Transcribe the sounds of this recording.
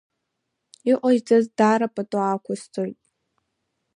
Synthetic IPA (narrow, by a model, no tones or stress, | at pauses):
iʔʷʼaʒd͡zazdaɾapʼatʼwaːkʷʰʊst͡sʰojtʼ